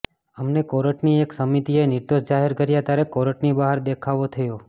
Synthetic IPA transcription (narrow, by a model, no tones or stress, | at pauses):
əmnekoɾəʈnieksəmit̪ienɪɾd̪oʃd͡ʒaɦɛɾkəɾjat̪jaɾekoɾəʈnibaɦəɾd̪ekʰaʋot̪ʰəjo